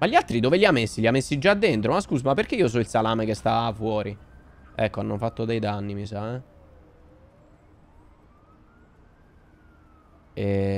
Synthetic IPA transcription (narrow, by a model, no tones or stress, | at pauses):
maʎialt̪ɾid̪oːveʎiamːesːiʎiamːesːid͡ʒad̪ːent̪ɾomaskuːs̬omapːeɾk̟eiːos̬ɔilsalaːmekest̪afwɔːɾiɛkːoanːofat̪ːod̪ɛjd̪anːimisaɛ | e